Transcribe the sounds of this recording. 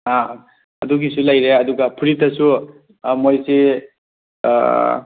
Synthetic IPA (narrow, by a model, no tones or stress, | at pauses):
a | ɐduɡisulajɾeɐduɡapʰuɾitːɐsu | mojse